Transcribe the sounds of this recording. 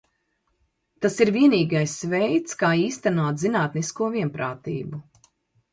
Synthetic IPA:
t̪asiɾviɛniːɡajsvɛjt̪skaːiːst̪anuɔt̪zinaːt̪niskuɔviɛnpɾaːt̪ḭːbu

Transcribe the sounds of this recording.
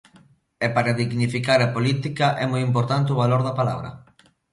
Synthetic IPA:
ɛpaɾaðiɣnifikaɾapolit̪ikaʔɛmojimpoɾt̪ant̪euβaloɾðapalaβɾɐ̰

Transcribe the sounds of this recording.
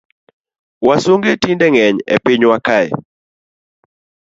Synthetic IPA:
wasoŋɡetindɛŋɛɲɛ̰pɪɲwakaɛ̰

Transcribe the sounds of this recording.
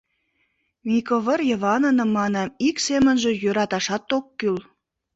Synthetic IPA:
mikoβərjəβɑnənə̆mːɑnɑmiksemənʒĕjøɾɑt̪ɑʃɑt̪okːyl

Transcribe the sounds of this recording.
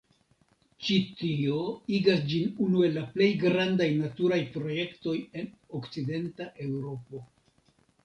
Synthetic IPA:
t͡ʃitio̞iɡasd͡ʒinunue̞lːaple̞jɡɾandajnatuɾajpɾo̞je̞kto̞je̞nokt͡side̞ntaʔe̞wɾo̞po̞

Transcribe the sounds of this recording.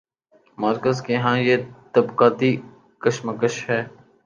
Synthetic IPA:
maːɾkəzkeɦãːjeːt̪ɐbqaːt̪i | kəʃməkəʃɦɛː

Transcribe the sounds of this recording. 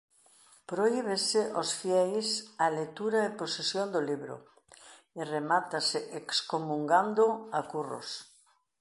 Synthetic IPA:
pɾoiβ̞eseʔosfjɛjsalet̪uɾaeposesjond̪oliβɾo̰ | eremat̪aseʔekskomũŋɡand̪oakuro̰s

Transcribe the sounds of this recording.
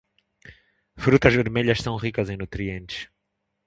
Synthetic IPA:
fɾut̪ɐzveɾmeʎɐʃsɐ̃w̃ʁikɐzẽj̃nut̪ɾiẽnt̪ɪ̥ʃ

